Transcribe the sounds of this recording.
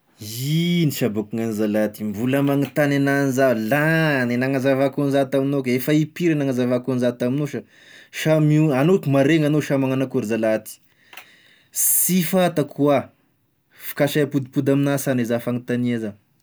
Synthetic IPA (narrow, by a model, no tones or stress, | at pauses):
iniʃabukuŋanizalat̪imvuləmaŋit̪anananizavlanenaŋazavakunzat̪aminokefaipiɾenaŋazavakunzat̪aminoʃa | ʃamiuanot̪umaɾeŋanoʃamaŋanakuɾizalat̪i̥ | sifat̪akʰua | fi̥kaʃajapud̪ipud̪aminasanezafaŋit̪aniaza